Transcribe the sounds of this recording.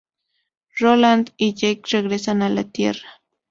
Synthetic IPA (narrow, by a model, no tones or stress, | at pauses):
ɾoland̪ɪʎajkɾeɡɾesanala̰t̪jerḁ